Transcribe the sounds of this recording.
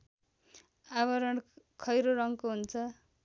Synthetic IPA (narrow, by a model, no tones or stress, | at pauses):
aβʌɾʌɳ | kʰʌjɾoɾʌŋkoɦunt͡sʰʌ